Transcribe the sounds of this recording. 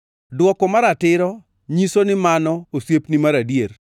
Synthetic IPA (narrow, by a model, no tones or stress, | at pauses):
dwɔkɔmaɾatɪɾɔ | ɲisonɪmanɔosjepnimaɾadjer